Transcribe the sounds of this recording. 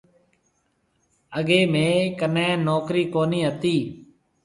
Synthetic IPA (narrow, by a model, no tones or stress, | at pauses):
əɠeːmẽːkənẽːnoːkɾiːkoːniːɦət̪iː